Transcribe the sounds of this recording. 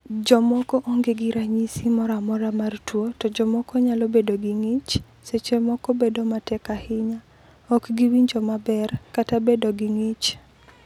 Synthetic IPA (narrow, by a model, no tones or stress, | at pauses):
d͡ʒɔmɔkɔʔoŋɡeɡiɾaɲisimɔɾamɔɾamartwotɔd͡ʒɔmɔkɔɲalobedoɡiŋit͡ʃ | set͡ʃemɔkɔbedomatɛkahɪɲa | ɔkɡiwiɲd͡ʒɔmabɛrkatabedoɡɪŋit͡ʃ